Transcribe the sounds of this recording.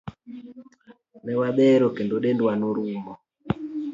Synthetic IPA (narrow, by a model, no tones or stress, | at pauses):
nɛwaɓɛɾɔkɛndoɗɛndwanoɾuːmɔ